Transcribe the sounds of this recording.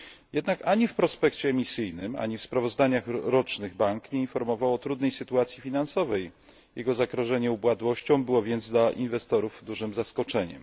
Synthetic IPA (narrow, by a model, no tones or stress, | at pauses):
jɛd̪nakaɲifpɾɔspɛkt͡ɕɛːmʲisɘjnɘma̰ɲifspɾavɔzd̪aɲaxɾɔt͡ʂnɘɣbaŋkɲɛinfɔɾmɔvawɔt̪ɾud̪nɛjsɘt̪uat̪sʲjifʲinansɔvɛj | jɛɡɔzaɡɾɔʐɛɲɛubwad̪wɔɕt͡ɕɔ̃w̃bɘwɔvʲjɛnd̪zd̪laʔinvɛst̪ɔɾuvd̪uʐɘmzaskɔt͡ʂɛɲɛ̰